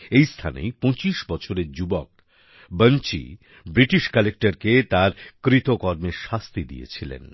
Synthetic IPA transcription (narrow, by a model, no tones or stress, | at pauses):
ejst̪ʰa̰nḛjpõt͡ɕiʃbɔt͡ɕʰoɾeɾd͡ʑubok̚ | bənt͡ɕḭ | bɾiʈiʃkɛlek̚ʈaɾket̪aɾkɾit̪okɔɾmeɾʃast̪id̪ḭjḛt͡ɕʰilḛn